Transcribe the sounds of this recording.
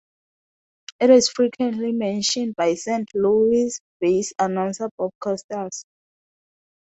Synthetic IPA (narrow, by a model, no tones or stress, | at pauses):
itwɔsfɹikʰwɛ̃ntʰlimɛ̃nʃɔ̃nd̚bajsɛ̃ntʰluisb̥esanãwnsabɔd̚kʰastəs